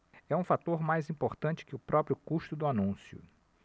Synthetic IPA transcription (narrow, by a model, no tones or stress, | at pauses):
ɛũfat̪oɾmajzĩpoɾt̪ɐ̃t͡ʃɪ̥kɪʊpɾɔpɾjʊkuʃt̪ʊd̪ʊanũsjʊ̰